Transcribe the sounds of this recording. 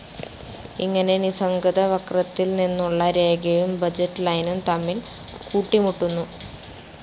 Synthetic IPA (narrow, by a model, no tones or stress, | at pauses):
iŋːɐne̞nisɐŋɡɐðɐʋɐkrɐt̪ːilninːuɭːɐɾe̞ːɡɐjumbɐd͡ʑɐʈːlɐjnumt̪ɐmːil | kuːʈːimuʈːunːu